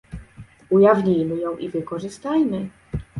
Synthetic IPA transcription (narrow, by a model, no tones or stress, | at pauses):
ujavɲijmɘjɔ̃w̃ʔivɘkɔʐɘst̪ajmɘ